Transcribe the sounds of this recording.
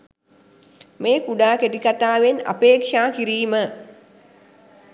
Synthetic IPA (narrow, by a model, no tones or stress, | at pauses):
meːkuɖaːkeʈikat̪aːʋena̰peːkʂaːkiɾiːmə